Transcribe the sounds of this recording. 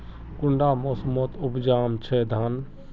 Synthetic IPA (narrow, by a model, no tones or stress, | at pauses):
kuɳɖamosmot̪upd͡ʒaːmt͡ʃʰɛd̪ʱan